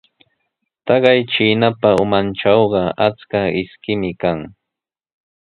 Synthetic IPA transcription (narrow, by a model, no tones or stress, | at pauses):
t̪ɑɢɑjt͡ʃiːnapaʊmant͡ʃɑwɢɑat͡skaɪskɪmɪkaŋ